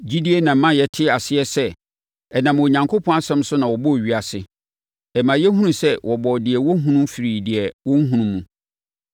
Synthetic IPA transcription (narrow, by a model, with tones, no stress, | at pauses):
d͡ʑi˦di˦e˦nã˨m̩˦mã˦˨jɛ˨tʰɪ˦a˨sɪ˦ɛ˦sɛ˦ | ɛ˨nã˨m˨o˨ɲã˨ŋkʰo˦pʰɔ̃˦a˦sɛ̃˦m˦sʊ˦nã˨wɔ˨bɔ˦˨ɥi˨a˨sɪ̰˨ | ɛ˨mã˨jɛ˦ɦũ˦ũ˦sɛ˦wʔɔ˨bɔ˨dɪ˨ɛ˨wɔ˦ɦũ˦nũ˦m˦fi˨ɾi˨dɪ˨ɛ˨wɔ̃˦ŋ˦ɦũ˦ũ˦mːũ˨